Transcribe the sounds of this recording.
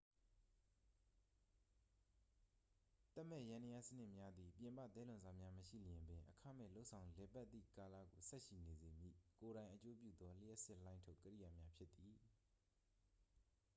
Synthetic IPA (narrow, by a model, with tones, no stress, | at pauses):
t̪ɛ˦ʔmɛ̰˦˨jã˦nə˨ja˦˨sənɪ˦ʔmja˦d̪ði˨pjɪ̃˨mpa̰˦˨t̪ɛ˦lʊ̃˨nza˨mja˦məʃḭ˦˨ləjɪ̃˨mbɪ̃˨ʔəkʰa˦˨mɛ̰˦˨lo˦ʊʔsʰã˨ʊ̃lɛ˨pa˦t̪ːḭ˦˨ka˨la̰˦˨ɡo˨sɛ˦ʔʃi˨ne˨ze˨mjḭ˦˨ko˨ɾã˨ɪ̃ʔət͡ɕo˦p̬jṵ˦˨d̪ɔ˦l̥ɪ˦ɛ˦sɪ˦ʔlã˦ɪ̃ntʰo˦ʊkəɾḭ˦˨ja˨mja˦pʰjɪ˦t̪ːi˨